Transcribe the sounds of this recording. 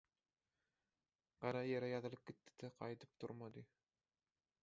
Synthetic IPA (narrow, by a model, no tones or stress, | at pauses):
qɑɾɑjeɾæjɑðɯlˠɯp̚kʲet̪ːɪ̥d̪aqʰɑjt̪ʰɯ̥p̚t̪ʰʊ̰ɾmad̪ɨ